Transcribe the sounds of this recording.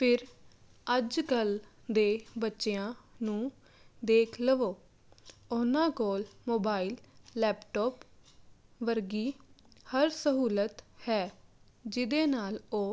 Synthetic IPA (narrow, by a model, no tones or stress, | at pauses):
pʰɪɾ | əd͡ʒkəl | d̪eːbətːʃeːãːnũː | d̪eːkʰləʋoː | ʊnãːkoːlmoːbaːiːlːɛːpʈɔːp | ʋəɾɡiːhəɾsəɦuːlət̪hɛː | d͡ʒɪd̪eːnaːloː